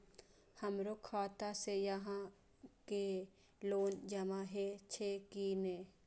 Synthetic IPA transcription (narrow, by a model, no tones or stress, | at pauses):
hɐmɾokʰaːt̪asejɐɦã | ke | loːnd͡ʒɐmãɦet͡ʃʰeːkineː